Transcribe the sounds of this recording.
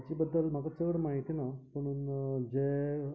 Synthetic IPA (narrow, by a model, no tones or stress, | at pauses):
t͡ɕiːbəd̪ːəlm̤akat͡səəɽmaɦit̪inaməɽ̃uːnd͡ʑe